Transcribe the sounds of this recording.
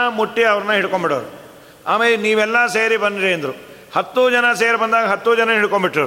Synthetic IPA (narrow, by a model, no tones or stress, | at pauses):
ɐmuʈːiɐʋɐɾɐnːɐɦiɽuko̞mbiɽoːɾu | a̰ːmeːleniːʋɛlːɐseːɾibɐnd̪iɾeːnd̪ɐɾu | hɐt̪ːud͡ʒɐnɐseːɾbɐnd̪aːɡɐɦɐt̪ːud͡ʒɐnɐɦiɽkombiʈːɾɐːɾ